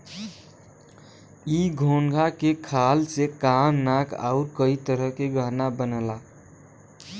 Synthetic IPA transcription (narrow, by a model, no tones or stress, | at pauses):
iɡʱoŋɡʱakekʰalsekamnakʰa̰ʊɾkəit̪əɾəkeɡəɦnabənəla